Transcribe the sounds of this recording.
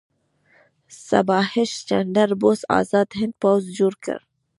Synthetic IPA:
sɐ̰bɑːhɪʃt͡ʃɐɳɖəɾbosa̰ːzɑːd̪ɦɪ̃nd̪̚pawzd͡ʒuɾkə̰ɾ

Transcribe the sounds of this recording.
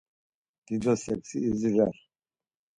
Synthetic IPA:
d̪̥id̪ɔsɛksiːziʒaɾ

